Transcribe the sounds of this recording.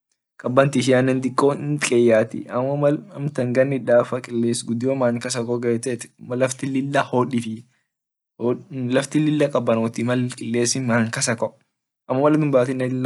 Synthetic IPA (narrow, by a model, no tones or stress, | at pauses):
kʼɐbːɐnt̪ɪʃ̬ɪaːnːɛnd̪ɪkʼːoːnkʼɛjːaːt̪ɪ̰ɐmːɐɐlɐmt̪ɐŋɡɐnːɪᶑaːfɐkʼɪlːeːsɡʊd̪ɪjoːmaːŋkɐs̬ɐkʼɔɡɐɛt̪ɛt̪ɪ̥mɐlɐft̪ɪlɪlːɐhoːᶑɪfɪ | lɐft̪ɪlɪlːɐkʼɐbːɐnoːt̪ɪmɐlkʼɪlːeːsɪmaːŋkɐsɐkʼɔ | ʔɐmːɐmɐlɐd̪ʊmbaːt̪ɪnːɛɪ